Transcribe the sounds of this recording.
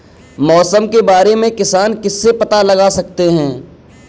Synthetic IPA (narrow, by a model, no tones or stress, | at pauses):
mɔːsəmkebaːɾemẽkɪsaːnkɪsːepɐt̪alɐɡasɐk̚t̪eɦɛ̃ː